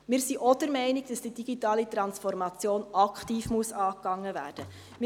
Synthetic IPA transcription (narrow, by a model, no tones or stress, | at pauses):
mɪːɾsiʔod̥əɾmɛɪniɡ̚d̥ɑsd̥id̥iɡ̥itɑːlitrɑnsfɔrmɑt͡sjoːnɑkχtiːfmuəsɑːkːɑŋːəvæ̰ːrd̥ə | m